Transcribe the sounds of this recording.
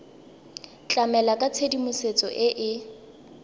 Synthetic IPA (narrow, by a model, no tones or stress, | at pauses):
t͡ɬʼamɛlakʼat͡sʰedimʊset͡sʼɔ̰ʔɪʔɪ